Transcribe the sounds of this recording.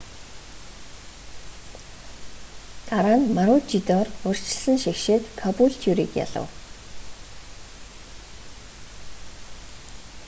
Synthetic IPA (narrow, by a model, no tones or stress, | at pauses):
t̪aɾaːnmaɾʊːt͡ɕit̪ɔːrʊr̥ʲt͡ɕɪ̆ɮsə̆nʃixʃeːt̪kʰɔpuɬt̪ʰjuɾḭːkja̰ɮə̰̆w